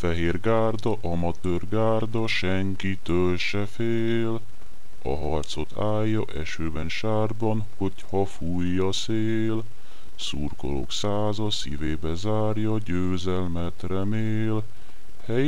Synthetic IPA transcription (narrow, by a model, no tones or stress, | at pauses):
fɛɦeːrɡaːrd̪ɒʔɒmɒt̪øːrɡaːrd̪ɒʃɛŋkit̪ølʃɛfeː | l | ɒ̰ɦɒrt̪so̞t̪ʰaːjːɒʔɛʃøːbɛnʃaːrbɒnho̞chɒfujːɒseː | l | sṵːrko̰lo̰ksaːzɒsḭveːbɛzaːrjɒɟøːzɛlmɛt̪rɛmeːl | hɛj